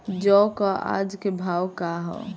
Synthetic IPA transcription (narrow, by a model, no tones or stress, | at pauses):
d͡ʒɔkaʔa̰d͡ʒkebʱawkaɦɔ̰